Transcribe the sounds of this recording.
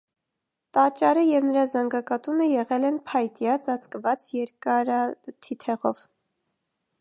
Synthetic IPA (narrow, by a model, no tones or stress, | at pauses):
t̪ɑt͡ʃɑɾəjɛvnəɾɑzɑŋɡɑkɑt̪unəjɛʁɛlɛnpʰɑjt̪jɑt͡sɑt͡sʰkəvɑt͡sjɛɾkɑɾɑt̪ʰit̪ʰɛʁɔ̰v